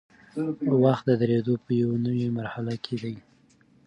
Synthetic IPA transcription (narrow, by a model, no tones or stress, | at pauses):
waxt̪̚d̪əd̪əɾed̪opəjawnəwemaɾhalakʰed̪aj